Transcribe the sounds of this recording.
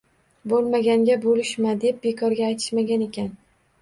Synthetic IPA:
bolˠmaɡʲaŋɡʲabolɪʃmad̪e̞p̚be̞kʰɒɾɡʲaːjt̪ʰɪ̥ʃmaɡʲane̞kʲan

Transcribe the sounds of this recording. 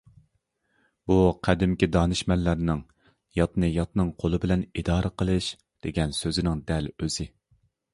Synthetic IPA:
b̥uqʰæd̪ɪmkʲid̪ɑːnɨʃmɛlːæɾnɪŋ | jɑt̪nɨjɑt̪nɨŋqʰolˠɨbɪlɛnid̪ɑːɾɨqəlˠɨʃ | d̪̥eɡʲɛnsøzɪnɪŋd̪ɛløzɪ

